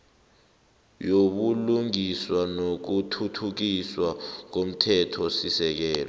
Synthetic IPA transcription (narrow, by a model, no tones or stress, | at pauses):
joɓuluŋiswanok̬utʰutʰuk̬iswak̬om̩tʰɛtʰɔsisɛk̬ɛːlɔ̰